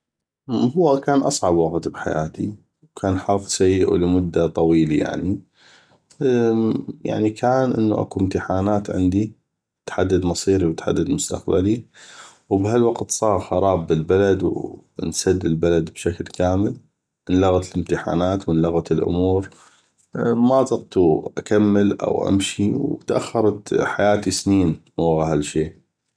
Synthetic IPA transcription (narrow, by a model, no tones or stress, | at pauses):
hʊwːakaːnʔɑsˤʕɑbwaɣt̪bħa̰ja̰ːt̪i | wkʰaːnħaːfsajːɪʔṵləmʊd̪ːat̪ˤɑwiːlaja̰ʕni | ja̰ʕnikʰaːnʔɪ̰nːuʔa̰kuɪmt̪ɪħaːnaːt̪ʕɪ̰nd̪i | t̪ħad̪ːad̪mɑsˤiːɾiwt̪ħa̰d̪ːad̪mʊst̪a̰qba̰li | wbhalwaqt̪sˤɑːɾˤxɑɾˤɑːbːɪlbalad̪w | nsad̪ːɪlbalad̪bʃaklkʰaːmɪl | mɪnlʊɣat̪lɪmt̪ɪħa̰ːnaːt̪wmənlʊɣat̪ɪlʔʊ̰muːɾ | mazˤɑq̚t̪uʔakamːɪlʔa̰wʔa̰mʃiwt̪ʔa̰xːɑɾˤɑt̪ħajaːt̪isniːn | aɣahalːʃeː